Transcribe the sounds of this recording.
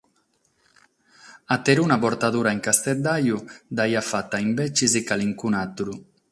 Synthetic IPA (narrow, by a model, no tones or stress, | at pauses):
at̪eɾunaboɾt̪aðuɾaeŋkast̪ɛt̪̚d̪ajud̪ajafat̪aimbɛt͡ʃizikaliŋkunat̪uɾu